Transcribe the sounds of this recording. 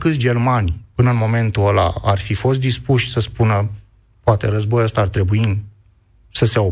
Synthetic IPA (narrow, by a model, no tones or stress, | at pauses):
kɨt̪sʲd͡ʒe̞rmanʲpɨnəɨnmo̞me̞nt̪uəla̰arfifo̞st̪̚d̪ispuʃʲsəspunə | poat̪e̞̰ɾəzbojəst̪aːrt̪ɾe̞bui | səse̞o